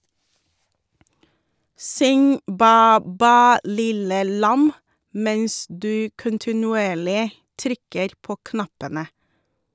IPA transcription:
ˈsʏŋ ˈbæː ˈbæː ˈlɪlə ˈlɑm ˈmɛns ˈdʉː kʊntɪnʉˈeːɭɪ ˈtɾʏkəɾ ˈpoː ˈknɑpənə

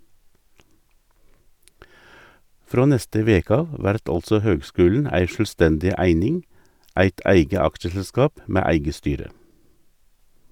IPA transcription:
ˈfɾoː ˈnɛstə ˈʋeːkə ˈɑʋ ˈʋæɾt ˈɑlsɔ ˈhøːɡˌskʉːln̩ ˈæɪ ˌʃœlˈstɛndɪ ˈæɪnɪŋ ˈæɪt ˈæɪɡə ˈɑkʃəsəˌskɑːp ˈmeː ˈæɪɡə ˈstyːɾə

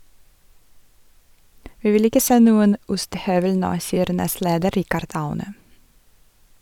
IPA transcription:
ˈʋiː ˈʋɪl ˈɪkə ˈseː ˈnuːən ˈʊstəˌhœʋəl ˈnoː ˈsiːəɾ ˈnɛstˌleːdə ˈɾɪkəɾd ˈɑʉnə

